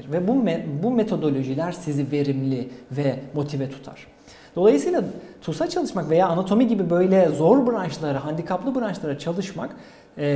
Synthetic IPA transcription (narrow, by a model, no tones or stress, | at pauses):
ɾvɛbubume̞t̪ʰo̞d̪o̞lʲo̞ʒilʲæɾsizive̞ɾimlʲivɛmo̞t̪ʰivɛt̪ʰu̥t̪ʰa̰ɾ̥ | d̪̥o̞lˠajɯsɯjlˠat̪ʰusat͡ʃʰalˠɯʃmakve̞jaːnat̪ʰo̞miɟibibø̞jlʲɛzo̞ɾbɯɾant͡ʃlˠaɾɯɦand̪ikʰaplˠɯbɯɾant͡ʃlˠaɾat͡ʃʰalˠɯʃmakː